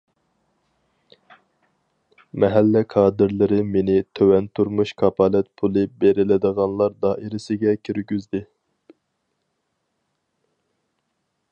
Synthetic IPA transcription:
mɛɦælːɛkʰɑːd̪ɪɾlˠɨɾɪmenɪt̪ʰøwɛnt̪ʰuɾmuʃkʰɑpʰɑlɛt̪̚pʰulˠɨbeɾɪlɪd̪əʁɑnlˠɑɾd̪ɑːʔiɾɪsɪɡʲɛkʲʰyɾɡʲyzd̪ɪ

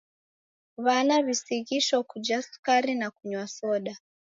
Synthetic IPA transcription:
βanaβisiɣiʃɔkud͡ʒaskaɾinakuɲwasɔɗa

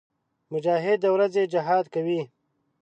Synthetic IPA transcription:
mʊd͡ʒɑːɦɪd̪̚ːəwɾazed͡ʒɪɦɑːd̪kawi

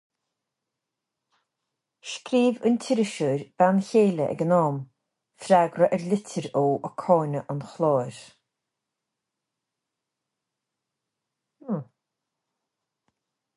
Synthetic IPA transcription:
ʃkɾiːvəntʰɪɾɪʃəɾb̥ançeːləʔɛ̰ɡənɔːm | fɾaɡɾəʔɛɹlɪtʰəɾoːʔɔkʰɔːnəʔɔnxlˠoːɾ

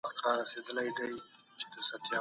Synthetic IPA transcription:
əxt̪ɾɑɾased̪əlajd̪aj | t͡ʃed̪əsat̪jɑ

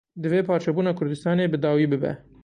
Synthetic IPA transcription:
d̪ɨveːpʰɑːɾt͡ʃʰɛbuːnɑːkʰʊɾd̪ɨst̪ɑːneːbɨd̪ɑːwiːbɨbɛ̰

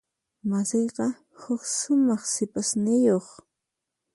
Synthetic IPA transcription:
masejqɑ | hʊkʃʊmɑχsɪpasnɪjoχ

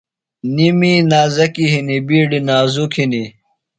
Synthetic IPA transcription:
niminaːzɐkiɦinibiːɖinaːzukʰini

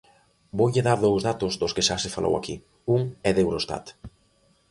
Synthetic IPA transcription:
bojʎeðaɾðowzðat̪ʊzd̪ʊskeʃasefalʔo̰wa̰ki | uŋɛðewɾost̪a̰t̪

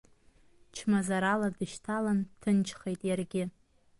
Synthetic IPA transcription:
t͡ʃʰmazaɾaladɨʃtʰalantʰɨnt͡ʃʰχejtʼjarɡʲɪ

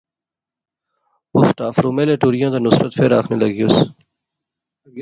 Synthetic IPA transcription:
ʊsʈaːfɾuːmeːleːʈuːɾijãːt̪anʊsɾət̪feːɾaːxʰneləɡijus

